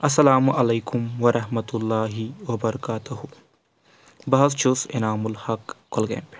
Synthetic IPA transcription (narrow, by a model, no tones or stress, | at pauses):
ɐsːɐlaːmʔɐleːkʊmwɐɾʔɐhmɐt̪ulːaːɦiwɐbɐɾɐkaːt̪uɦu | bɐɦɐst͡ʃʰosenaːmulhɐkːʰolɡḛːmp